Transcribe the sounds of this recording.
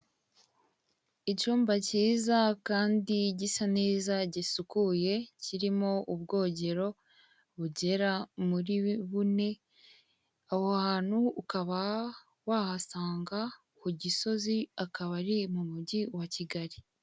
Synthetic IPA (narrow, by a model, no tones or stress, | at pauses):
it͡ʃuːmbaciːzakaːndiɟisaneːzaɟisukuje̞ciɾimo̞ʔubɡo̞ːɟe̞ɾo̞ | βuɟe̞ɾamuɾiβune̞ | ahohaːn̥huːkaβa | wahasaːŋɡa | kuɟiso̞ziakaβaɾimumuɟiwaciɡaɾi